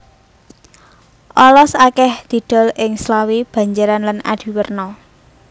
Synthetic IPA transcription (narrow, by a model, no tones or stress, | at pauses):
ʔɔlɔsakɛhd̪̥i̤d̪̥ɔ̤lɪŋslawib̥a̤ɲd͡ʒaɾanlana̰d̪̥i̤wərnɔ